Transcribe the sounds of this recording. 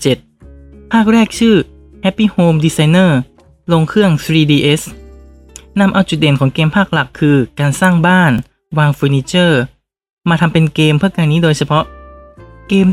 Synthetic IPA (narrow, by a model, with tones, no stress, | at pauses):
t͡ɕe˨˩t̪̚pʰaː˥˩k̚ɾɛː˥˩k̚t͡ɕʰɯː˥˩ | hɛ˦˥pːiː˥˩hoː˧mdiː˧sa˧jnɤː˥˩ | lo˧ŋkʰɯ˥˩əŋsɾiː˧diː˧ʔe˦˥s | na˧mʔa˧wt͡ɕu˨˩t̪̚de˨˩˦nkʰɔː˩˦ŋkeː˧mpʰaː˥˩k̚la˨˩kʰːɯː˧kaː˧nsaː˥˩ŋbaː˥˩n | waː˧ŋfu˧niː˧˥t͡ɕɤː˥˩ | maː˧t̪ʰa˧mpe˧nkeː˧mpʰɯ˥˩əkaː˧nːiː˦˥doː˧jt͡ɕʰa˧pʰɔ˦˥ʔ | keː˧m